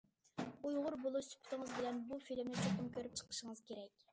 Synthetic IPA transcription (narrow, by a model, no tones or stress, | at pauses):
ujʁʊɾbolˠuspʰt̪ʰɨŋəzbɪlɛnbufilɪmnɪt͡ʃʰoqəmkʲøɾyp̚t͡ʃʰə̥qʰə̥ʃəŋəz̥kʲʰeɾɛkʲ